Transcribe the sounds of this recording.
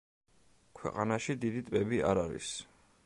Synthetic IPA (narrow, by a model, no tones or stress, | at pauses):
kʰwɛ̰qʼanaʃid̪id̪it̪ʼbɛbia̰ɾaɾḭs